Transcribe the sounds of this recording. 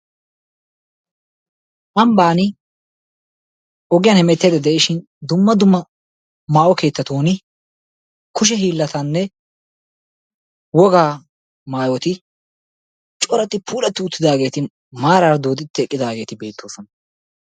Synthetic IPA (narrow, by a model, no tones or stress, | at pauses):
ʔɐmbaːnɪ | ʔɔɡɪjɐːnhɛmɛt̪ːeːd̪ɛd̪ɛʔɪʃɪn | d̪ʊmːɐd̪ʊmːɐ | maːʔɔke̞ːt̪ːɐt̪oːnɪ | kʊʃ̬ɛɦiːlːɐt̪ɐnːɛ | wɔɡaː | maːjɔt̪ɪ | t͡ʃʼɔɾɐt̪ːɪpʰuːlɐt̪ːɪʊt̪ːɪd̪aːɡe̞ːt̪ɪ | maːɾaːɾd̪oːd̪ɪt̪ːɪɛkʼːɪd̪aːɡe̞ːt̪ɪbe̞ːt̪ːoːsɔnɐ